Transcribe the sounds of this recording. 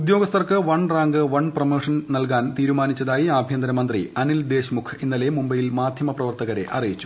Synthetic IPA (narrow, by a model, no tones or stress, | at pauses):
ud̪jo̞ːɡɐst̪ɐrkɨʋɐɳraːŋɡɨʋɐɳprɐmoːʂɐnnɐlk̬aːnt̪iːɾumaːnit͡ɕːɐðaːjiaːbʱjɐnd̪ɾɐmɐnd̪rḭɐnild̪e̞ːɕmukʰinːɐle̞mumbɐjilmaːd̪ʱjɐmɐprɐʋɐrt̪ɐɣɐɾe̞ʔɐrijit͡ɕːu̥